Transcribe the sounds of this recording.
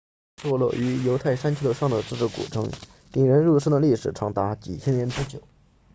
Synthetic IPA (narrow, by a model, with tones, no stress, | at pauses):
t̪ʰwɔ˥˧lwɔ̰˥˧˩ʔy˧˥jo˧˥ʊt̪ʰa˥˩ɪʂa˥nt͡ɕʰy˥˩ə˧˩ʂɑ˥˩ŋd̪ə˩t͡sɹ̩˥˧ʈ͡ʂɻ̩˥˩kṵ˨˩ʈ͡ʂʰɤ̰˧˥ŋ | t̪i˥˩ŋɻə˧˥nɻu˥˧ʂ̩˥d̪ə˨li˥˩ʂɻ̩˨˩ʈ͡ʂʰɑ˧˥ŋt̪a˧˥t͡ɕḭ˨˩t͡ɕʰjɛ˥njɛ˧˥nʈ͡ʂu˥t͡ɕjo˨˩˦ʊ